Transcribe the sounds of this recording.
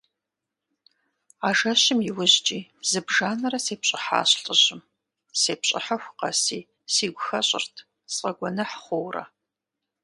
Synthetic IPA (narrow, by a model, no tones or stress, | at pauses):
aːʒɐɕɪmjɪwʊʑt͡ʃʼiːzɨbʒaːnɐrɐseːpɕʼɪħa̰ːɕɬʼəʑɪm | seːpɕʼɪ̰ħaxʷʊqɐ̰siː | siːɡʷʊxɐɕʼɪ̰rtʰ | sʼqʼɐɡʷɔnɐħχʷowrɐ̰